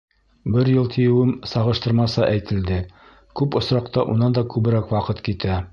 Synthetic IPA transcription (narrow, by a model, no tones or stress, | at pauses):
bɘɾjɤlˠt̪ʰĭjɘ̆wɘmsɑʁɤ̆ʃt̪ɤ̆ɾmɑsɤʔæjt̪ʰɘ̆ld̪ɘ | kʉpŏsɾɑqt̪ɑʔunɑnd̪ɑkʉβɘ̆ɾækwɑqɤt̪kit̪æ